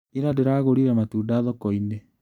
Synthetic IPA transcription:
iɾadeɾaːɣoɾiɾɛmatuːdaːðɔkɔine

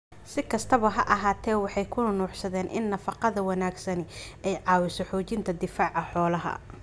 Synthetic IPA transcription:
sɪkʰɐst̪ʰɐβɐɦɐʔɐɦaːt̪ʰɛːwɑħɑjkʰʊnɐnuːħsɐðɛːnʔɪ̰nːɐfɑqɑðɐwɑnaːɡsɐn | ɛjʕɑːwɪsɔħɔːt͡ʃɪnt̪ʰɐd̪ɪfaːʕɑħɔːlɐɦɐ̰

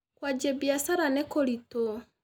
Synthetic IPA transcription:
kwad͡ʒɛbiasaɾanɛkolito

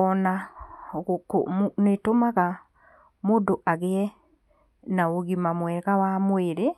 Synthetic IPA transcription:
ɔna | ko̰netomaɣa | moːdoʔaɣeɛ | naoɣimamwɛɣawamweɾe

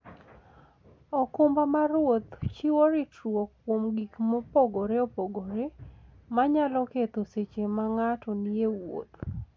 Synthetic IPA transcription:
ɔkʊmbamaɾwot̪t͡ʃiwoɾɪtɾwokːwomɡikmopoɡoɾeɔpoɡoɾemaɲalɔket̪oset͡ʃemaŋatɔniewo̰t̪

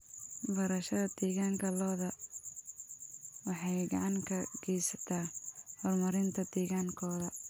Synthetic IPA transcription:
bɐɾɐʃɐðɐd̪̥ɛːɣaːŋkʰɐlɔːðɐ | wɑħɑjɡɑ̰ʕɑŋkʰɐɡ̥ɛjsɐ̥t̪ʰaːhɔlmɐɾɪnt̪ʰɐd̪̥ɛːɣaːŋkʰɔːðɐ

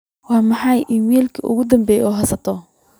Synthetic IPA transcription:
wɑːmɑħɑjʔiːmɛːlkʰɐʔʊ̰ɣʊd̪ɐmbɛːjɔːɦɐsɐt̪ʰɔ

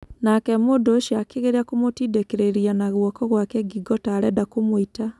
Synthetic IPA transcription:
nakɛmodoʃiakeɣeɾeakomotidekeɾeɾianaɣwɔkɔɣwakɛɡiɡɔtaːɾɛdakomoita

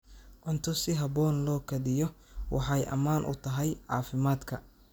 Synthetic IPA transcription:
ʔɔnt̪ʰɔsɪɦɐbɔːnlɔːkʰɐðɪjɔwʔɑ̰ħɑjʔɐ̰maːnʔʊ̰t̪ʰɐɦɛjʕɑ̰ːfɪmaːd̪kʰɐ

